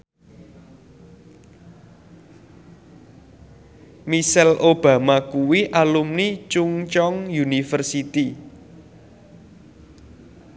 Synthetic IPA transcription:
misɛlʔob̥ä̤makuwiʔalumnit͡ʃuŋt͡ʃɔŋjunifərsit̪i

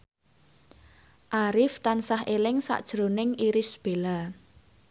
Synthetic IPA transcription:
ʔaɾɪft̪ansahʔelɪŋsa̰ʔd̥ʒ̥ɾonɪŋiɾɪsb̥e̤la

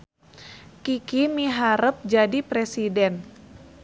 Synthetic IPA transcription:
kikimiɦaɾəp̚d͡ʒadipɾesidɛn

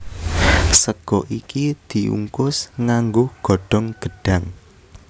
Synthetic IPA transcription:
səɡ̥ɔʔikid̪̥i̤ʔṵŋkʊsŋaŋɡʊhɡ̥ɔ̤ɖ̥ɔ̤ŋɡ̥ə̤ɖ̥ä̤ŋ

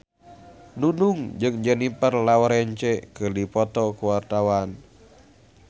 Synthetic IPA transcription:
nunuŋd͡ʒɨŋd͡ʒənipərlawɔɾɛɲt͡ʃɛkɨrdipɔt̪ɔkuwart̪awan

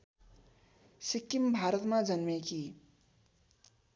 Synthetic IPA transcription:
sɪkːimbʱaːɾət̪mãd͡ʒənmẽki

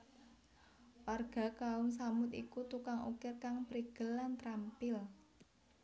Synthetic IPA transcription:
warɡ̥a̤kaʊmsamʊt̪ḭkut̪ukaŋṵkɪrkaŋpɾiɡ̥ə̤lant̪ɾampɪl

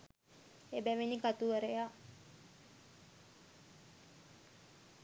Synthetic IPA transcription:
ebæʋinikat̪uʋəɾeja

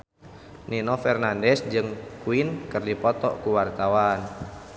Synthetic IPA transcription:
nʔinɔfɛrnandɛsd͡ʒɨŋkuinkərdipɔt̪ɔ̰kuwart̪awan

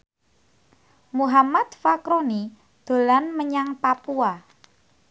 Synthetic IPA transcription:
muɦamat̪fakɾoni | d̪̥o̤lanməɲaŋpapua

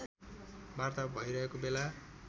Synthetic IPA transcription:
bart̪abʱʌjɾʌɦekobela

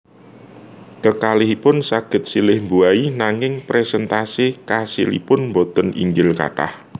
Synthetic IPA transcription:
kəkalɪɦipʊnsaɡ̥ə̤t̪̚silɪhmbuainaŋɪŋpɾɛsɛnt̪asikasḭlḭpʊnmbot̪ənḭŋɡɪlka̰ʈa̰h

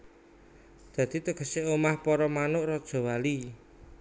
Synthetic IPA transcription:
d̪̥a̤d̪̥i̤t̪əkə̤seomahpɔɾɔmanʊʔrɔd̥ʒ̥o̤wali

